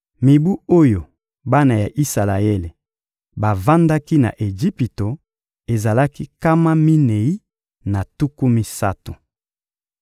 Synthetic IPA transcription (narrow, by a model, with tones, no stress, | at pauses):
mi˨bu˦o˦jo˨ | ba˦na˨ja˨ʔi˦sa˨la˨e˦le˨ | ba˨va˦nda˦ki˦na̰˨ʔe˨d͡ʒi˦pi˨to˨ | e˨za˨la˦ki˦ka˦ma˦mi˦ne˨i˦ | na˨tu˦ku˦mi˦sa̰˦to˨